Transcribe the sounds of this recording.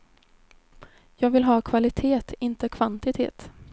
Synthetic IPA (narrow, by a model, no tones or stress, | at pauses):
jɑːɡvɪlɦɑːkʰvalɪt̪ʰeːt̪ɪnt̪əkʰv̥ant̪ɪt̪ʰḛːt̪